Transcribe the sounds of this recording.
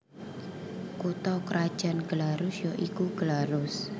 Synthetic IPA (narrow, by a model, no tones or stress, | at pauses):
kut̪ɔkɾad̥ʒ̥a̤nɡ̥əlaɾʊsjɔʔikuɡ̥əlaɾʊs